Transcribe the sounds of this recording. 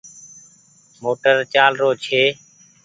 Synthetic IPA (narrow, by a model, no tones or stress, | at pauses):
moːʈəɾt͡ʃaːlɾoːt͡ʃʰeː